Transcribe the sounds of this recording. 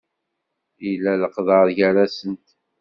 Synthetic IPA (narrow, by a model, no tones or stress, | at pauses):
ilːæləqðəɾʝæɾæsənt̪